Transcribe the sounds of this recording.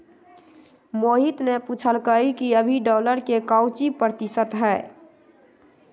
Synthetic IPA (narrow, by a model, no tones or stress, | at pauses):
moːɦit̪neput͡ʃʰəlkəikiəbʱiɖɔːləɾkekaʊt͡ʃipɾət̪ɪsət̪ɦɛː